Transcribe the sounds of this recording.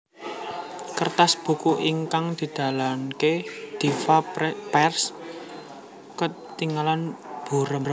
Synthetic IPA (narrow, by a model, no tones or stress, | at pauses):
kərt̪asb̥ṳkuʔiŋkaŋd̪̥i̤d̪̥a̤lanked̪̥ifapɛrs | kət̪iŋalanb̥ṳɾə